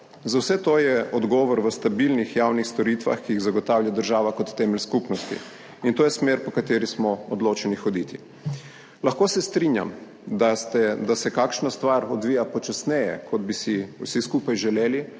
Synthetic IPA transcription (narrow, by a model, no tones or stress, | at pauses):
zawsɛt̪oːjɛɔd̪ɡɔːʋɔɾʋəst̪abilnixjaːwnixst̪ɔɾit̪ʋa̰xkiiɣzaɡɔt̪awljad̪əɾʒaːʋakɔt̪ːɛːmɛlskupnɔst̪ḭ | int̪oːjɛsmeːɾpɔkat̪eːɾismɔɔd̪loːt͡ʃɛnixɔd̪it̪i | laxkoːsɛst̪ɾinja̰m | d̪ast̪ɛd̪asɛkaːkʃnast̪ʋaɾɔd̪ʋiːjapɔt͡ʃasnɛjɛ̰kʰɔd̪bisiṵsiskuːpajʒɛleːli